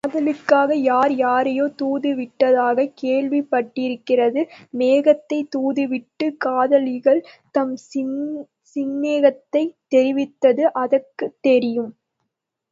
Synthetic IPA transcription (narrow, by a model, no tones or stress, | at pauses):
kːðɐlɯkːaːɣɐjaːɾjaːɾɐjoːt̪uːðɯʋɪʈːɐðaːɣɐkeːɭʋɪpːɐʈːɪɾɯkːɪrɐðɯmeːɣɐt̪ːɐɪt̪uːðɯʋɪʈːɯkaːðɐlɪɣɐɭt̪ɐm | sɪnːeːɣɐt̪ːɐɪt̪ːɛɾɪʋɪt̪ːɐðɯʔɐðɐkːɯt̪ːɛɾɪjɯm